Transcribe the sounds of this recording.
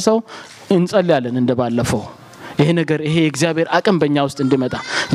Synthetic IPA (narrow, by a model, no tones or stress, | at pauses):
səw | ɨnsʼəljalːənɨnd̪əbalːəfəw | jɪhenəɡəɾɪɦe̞jɛɡzijaβheɾakʼəmbəɲːawʊst̪ʼɨnd̪imət̪ʼaz